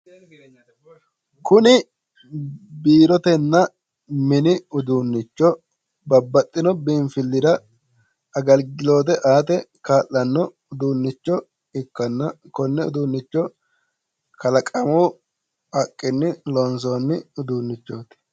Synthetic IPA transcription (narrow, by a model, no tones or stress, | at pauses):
kʊnɪ | biːɾɔt̪ɛnːɐ | mɪnɪʊd̪uːnːɪt͡ʃːɔ | bɐbːɐt̪ʼːɪnɔbiːɱfɪlːɪd̪ɐ | ɐɡɐlɡɪlo̞ːt̪̬ɛʔaːt̪ɛkaːlːɐnːɔ | ʊd̪uːnːɪt͡ʃːɔ | ɪkːɐnːɐ | kɔnːɛʊ̰d̪uːnːɪt͡ʃːɔ | kɐlɐkʼɐmu | ɐkʼːɪnːɪlɔns̬oːnːɪʊd̪uːnːɪt͡ʃːoːt̪